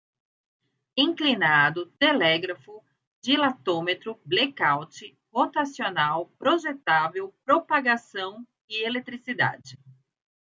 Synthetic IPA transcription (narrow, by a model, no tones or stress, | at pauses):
ĩŋklinad̪ʊt̪elɛɡɾafʊ | d͡ʒɪlat̪õmet̪ɾʊblekawt͡ʃɪ | vot̪asionawpɾoʒet̪avewpɾopaɡasɐ̃w̃ | ɪelet̪ɾisid̪a̰d͡ʒɪ